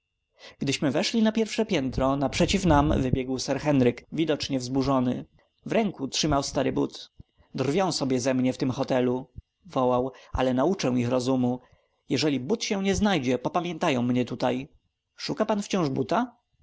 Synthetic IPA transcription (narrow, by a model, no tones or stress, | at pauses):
ɡ̥d̪ɘɕmɘvɛʂlʲinapʲjɛɾfʂɛpʲjɛnt̪ɾɔnapʂɛt͡ɕifnamvɘbʲjɛɡwsɛɾxɛnɾɘkvʲid̪ɔt͡ʂɲɛvzbuʐɔnɘ̰ | vɾɛŋkutʂɘmawst̪aɾɘbut̪ | d̪rvʲjɔ̃w̃sɔbʲjɛzɛmɲɛft̪ɘmxɔt̪ɛlu | vɔwawʔa̰lɛnaut͡ʂɛw̃ixɾɔzumu | jɛʐɛlʲibut̪ɕɛwɲɛznajd͡ʑɛpɔpamʲjɛnt̪ajɔ̃w̃mɲɛt̪ut̪aj | ʂukapanft͡ɕɔ̃w̃ʐbut̪a